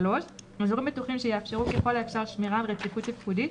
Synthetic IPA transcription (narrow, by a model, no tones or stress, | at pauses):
lo̞ʃnozoʁimbetuχimʃejeafʃe̞ʁukeχo̞laefʃaʁʃmiʁalʁet͡sifut̪ipkudit̪